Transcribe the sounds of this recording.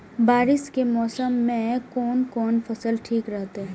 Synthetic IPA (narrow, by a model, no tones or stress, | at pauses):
baːɾɪskemɔːsəmːẽkɔːnkɔːnfɐsəlʈʰiːkɾɐɦt̪eɛ̃